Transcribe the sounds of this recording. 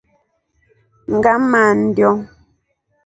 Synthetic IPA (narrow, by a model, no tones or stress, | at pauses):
ŋ̩ɡaman̩djɔŋ